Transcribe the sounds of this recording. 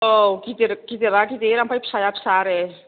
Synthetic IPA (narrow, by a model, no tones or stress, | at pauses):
okit̪iɾkit̪iɾakit̪eɾampʰajpʰsajapʰsaɾe